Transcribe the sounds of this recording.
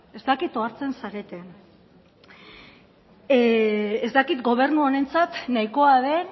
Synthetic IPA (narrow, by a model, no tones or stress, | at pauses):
e̞zt̪akit̪o̞aɾt͡se̞nsaɾe̞t̪en | ezt̪akit̪ɡo̞β̞e̞ɾnuone̞nt͡sat̪naiko̞aðe̞